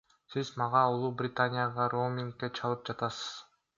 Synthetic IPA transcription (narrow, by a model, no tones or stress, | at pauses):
sizmɑʁɑulˠubrʲɪt̪anʲɪjaʁɑɾomʲɪŋkːet͡ʃʰɑlˠɯp̚d͡ʒɑt̪ɑsɯ̥z̥